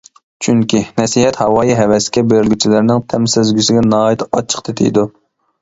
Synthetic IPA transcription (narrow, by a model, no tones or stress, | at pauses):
t͡ʃʰyŋkʲʰinɛsiɦɛt̪hɑwɑːjiɦɛvɛskʲɛbeɾɪlʲɡʲyt͡ʃʰilɪɾnɪŋt̪ʰɛmsɪzɡʲysɪɡʲɛnɑːjit̪ʰɑt͡ʃʰə̥qt̪ʰet̪ʰɪ̰jd̪u